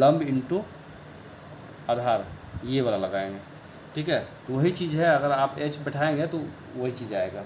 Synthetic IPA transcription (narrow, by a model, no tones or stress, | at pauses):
lɐ̃mbɪɳʈu | aːd̪ʱaːɾ | jeʋaːlalɐɡaːẽŋɡeː | ʈʰiːkɦɛt̪oʋɐɦit͡ʃiːzɦɛɐɡəɾaːpeːt͡ʃbɪʈʰaːẽŋɡet̪o | ʋɐɦit͡ʃiːzaːeːɡaː